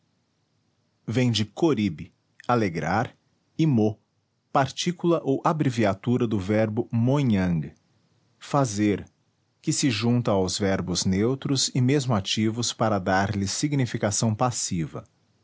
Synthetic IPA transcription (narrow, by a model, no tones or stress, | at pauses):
vẽj̃d͡ʒɪkoɾibɪ | aleɡɾaɾ | imo | paɾt͡ʃikulɐʔowʔabɾiviat̪uɾɐd̪ʊvɛɾbʊmõɲɐ̃ŋɡ | fazeɾ | kɪsɪʒũnt̪ɐawzvɛɾbʊznewt̪ɾʊzɪmezmʊat͡ʃivʊspaɾɐd̪aɾlɪsiɡnifikasɐ̃w̃pasivɐ̰